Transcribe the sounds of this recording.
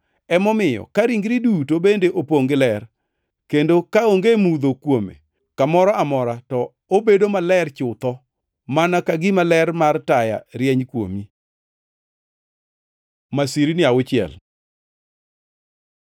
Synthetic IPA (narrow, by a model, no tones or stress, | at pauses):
ɛmɔmɪjɔ̰kaɾiŋɡɾidutobendeʔopoŋɡɪlɛr | kendokaoŋɡemud̪okwomḛ | kamɔɾɔamɔɾatɔ | obedomalɛrt͡ʃʊt̪ɔ | manakaɡɪmalɛrmartaja̰ɾjɛɲkwo̰mi | masiɾinɪawʊt͡ʃɪɛ̰l